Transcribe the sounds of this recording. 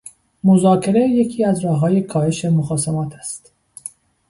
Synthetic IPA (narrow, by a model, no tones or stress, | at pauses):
mozɒːcʰe̞ɾeje̞cʰiːæzɾɒːɦːɒːjekʰɒːhe̞ʃe̞moxɒːsemɒːt̪ʰæ̥st̪